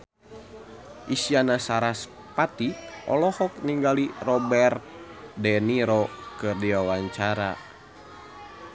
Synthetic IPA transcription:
ʔisianasaɾas | pat̪ikʔɔ̰lɔhɔk̚niŋɡalirɔbɛrt̪̚dɛniɾɔkɨrdiwawaɲt͡ʃaɾa

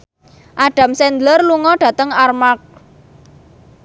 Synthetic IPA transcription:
ʔaɖ̥a̤msɛnd̪lərluŋɔɖ̥ä̤t̪əŋarmak̚

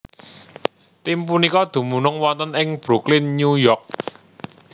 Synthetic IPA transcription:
t̪impunikɔd̪̥ṳmunʊŋwɔnt̪ənɪŋb̥ɾuklɪnɲujɔk̚

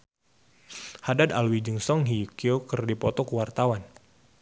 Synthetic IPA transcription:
hadad̪alwid͡ʒɨŋsɔŋɦikiokərdipɔt̪ɔkuwart̪awan

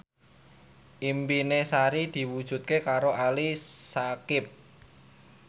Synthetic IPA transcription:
ʔimpinesaɾid̪̥i̤wud̥ʒ̥ṳt̪̚kekaɾoʔalisakɪp̚

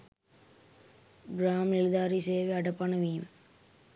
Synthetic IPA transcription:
bɾaːmnɪlðaːɾiseːʋeɐɽɐpːaːnɐʋijɯm

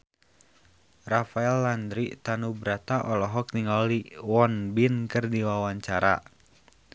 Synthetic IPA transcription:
rafaɛlːandɾit̪anubɾat̪aʔɔlɔɦɔk̚niŋɔliwɔnbinkɨrdiwawaɲt͡ʃaɾa̰

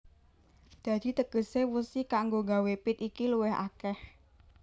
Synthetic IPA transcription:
d̪̥ä̤d̪̥i̤t̪əkəsewusikaŋɡoɡawepɪt̪ikiluwɛha̰kɛh

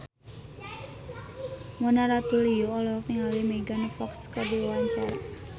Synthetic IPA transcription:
mɔnaɾat̪ulijoːlɔɔk̚niŋalimeɡanfɔkskabewaɲt͡ʃaɾa̰

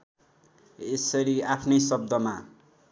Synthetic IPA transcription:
esʌɾiapʰnʌjsʌb̚d̪ʌma

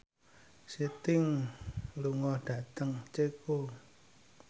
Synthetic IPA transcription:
sit̪ɪŋ | luŋɔhɖ̥ä̤t̪əŋt͡ʃeko

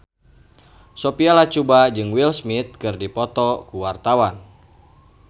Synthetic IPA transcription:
sɔpialat͡ʃubad͡ʒɨŋwilsmit̪̚kɨrdipɔt̪ɔkuwart̪awan

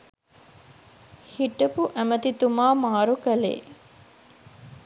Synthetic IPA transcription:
hiʈɐpuʔæmɐt̪it̪umaːmaːɾukɐlḛː

